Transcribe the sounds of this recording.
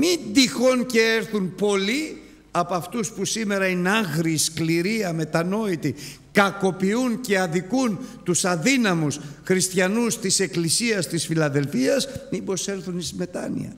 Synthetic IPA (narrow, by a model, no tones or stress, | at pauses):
mind̪ixo̞nceeɾθunpo̞li | ɐpoɐft̪uspusime̞ɾɐinɐɣɾiskliɾiɐme̞t̪ɐno̞it̪i | kɐko̞piunce̞ɐðikunt̪usɐðinɐmusxɾist̪çɐnust̪ise̞klisiɐst̪isfilɐðe̞lfiɐsmibo̞se̞lθunisme̞t̪ɐ̰nḭɐ̰